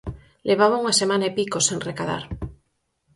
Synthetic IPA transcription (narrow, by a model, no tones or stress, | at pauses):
leβ̞aβauŋasemanaepikosenrekaða̰ɾ